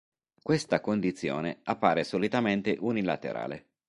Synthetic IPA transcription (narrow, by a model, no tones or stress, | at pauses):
kwest̪akond̪it̪sːjo̰ːneapːaːɾesolit̪ament̪eʔunilat̪ḛɾa̰ːlḛ